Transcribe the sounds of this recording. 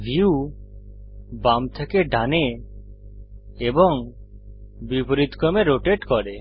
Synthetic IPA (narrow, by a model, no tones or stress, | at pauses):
bʱiu | bamt̪ʰekeɖʱane | bɔŋ | bipɔɾit̪kɔmeɾoʈeʈkɔɾe